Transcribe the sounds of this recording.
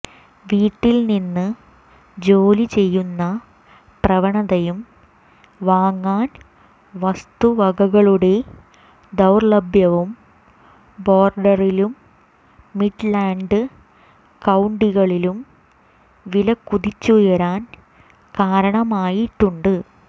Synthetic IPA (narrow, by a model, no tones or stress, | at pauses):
ʋiːʈːilninːɨ | d͡ʑo̞ːlit͡ɕe̞jːunːɐ | prɐʋɐɳɐðɐjum | ʋaːŋːaːn | ʋɐst̪uʋɐɡɐɣɐɭuɽe̞ | d̪ɐwrlɐbjɐʋum | bo̞ːrɖɐrilumː | iʈlaːɳɖɨ | kɐwɳɖiɣɐɭilum | ʋilɐkːuðit͡ɕːujɐɾaːn | kaːɾɐɳɐmaːjiʈːuɳɖɨ